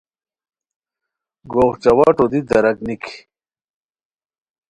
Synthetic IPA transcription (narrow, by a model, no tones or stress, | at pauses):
ɡoːʁt͡ɕɐwaːʈod̪id̪ɐɾɐkniki